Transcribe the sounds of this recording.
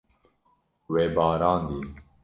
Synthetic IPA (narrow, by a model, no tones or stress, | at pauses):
weːbaːɾaːnd̪iː